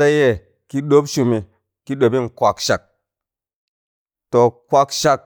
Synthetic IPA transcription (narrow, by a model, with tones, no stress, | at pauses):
a˦je˦˨ | ki˦ɗo˦pʃu˧mi˨ | ki˦ɗo˨bi˦ŋkʷa˨kʃa˨k̚ | to˨kwa˧kʃa˧k̚